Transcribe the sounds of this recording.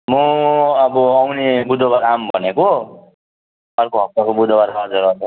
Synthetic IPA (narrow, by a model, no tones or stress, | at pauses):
muʌbʌawnebud̪ʱobaɾambʱʌ̰neko | ʌrkoɦʌp̚t̪akobud̪ʱobaɾaɦʌd͡zʌɾʌt͡sʰ